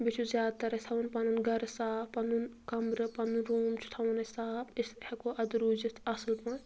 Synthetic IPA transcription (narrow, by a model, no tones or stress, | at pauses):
bit͡ʃʰuzʲjaːd̪t̪ɐɾɐt̪ʰɐʋɐnpɐnunɡɐɾɐsaːpɐnunkɐmɾɨpɐnɨnɾuːmt͡ʃʰu̥t̪ʰɐʋɐnɐsaːbishekoʔɐd̪uɾuːd͡ʒit̪ʰɐsɨlpɐn